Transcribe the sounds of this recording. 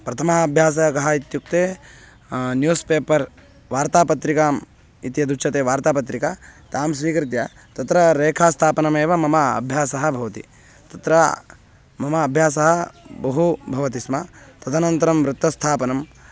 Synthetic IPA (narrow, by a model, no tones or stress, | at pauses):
pɾɐt̪ʰɐmɐɐbʱjaːs̬ɐɦɐkɐɦɐit̪juk̚t̪eː | njuːspeːpɐɾ | ʋaːɾt̪aːpɐt̪ɾikaːm | it̪jɐd̪uʃɐt̪eːʋaːɾt̪aːpɐt̪ɾikat̪aːmsʋiːkɾit̪̬jɐ | t̪ɐt̪ɾɐɾeːkʰaːst̪ʰaːpɐnɐmeːʋɐmɐmɐɐ̰bʱjaːsɐɦɐbʱɐʋɐt̪ḭ | t̪ɐt̪ɾɐ | mɐmɐːbʱjaːsɐɦɐbɐɦubʱɐʋɐt̪ismɐt̪ɐd̪ʰʱanɐnt̪ɐɾɐmʋɾut̪ːɐst̪ʰaːpɐnɐm